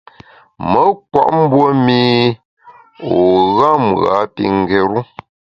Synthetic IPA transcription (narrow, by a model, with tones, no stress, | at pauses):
mə˦kwa̰˦ʔm̩˦bwo˦miː˦ | o˨ɣa˦mɣa̰˨˦pi˨ŋ̩˨ɡɛ˨ɾu˦